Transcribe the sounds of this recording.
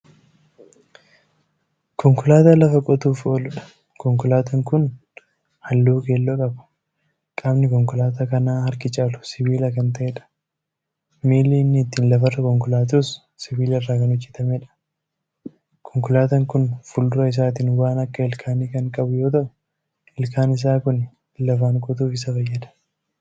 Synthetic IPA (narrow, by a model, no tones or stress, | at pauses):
kʰɔŋkʊlaːt̪ɐlɐfɐkʼɔt̪uːfo̞ːlʊᶑɐ̥ | kɔŋkʊlaːt̪ɐŋkʊn | hɐlːuːkeːlːoːkʼɐbʊ̥ | kʼaːbnɪkɔŋkʊlaːt̪ɐkɐnaːhɐɾkɪt͡ʃʼaːlʊ̥sɪbiːlɐkɐnt̪ɐʔeᶑɐ̥ | miːlːiːnːɪt̪ːiːnlɐfɐrːɐkɔŋkʊlaːt̪uːs | sɪbiːlɐɪrːaːkɐnʊd͡ʒːɛt̪ɐmeᶑɐ̥ | kʰɔŋkʊlaːt̪ɐŋkʊnfʊldʊɾɐɪs̬aːt̪̬iːnʊwaːnɐkːɐɪlkʰaːniːkɐŋkʼɐbʊjo̞ːt̪ɐʔʊ | ɪlkaːnɪs̬aːkʊn | lɐfaːŋkʼʊt̪uːfɪs̬ɐfɐjːɐᶑ̪ɐ̥